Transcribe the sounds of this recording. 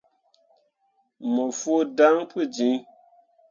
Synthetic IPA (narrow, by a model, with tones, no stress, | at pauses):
mo˨fwo˦da˦ŋpɨ˦˨d͡ʒi˨˦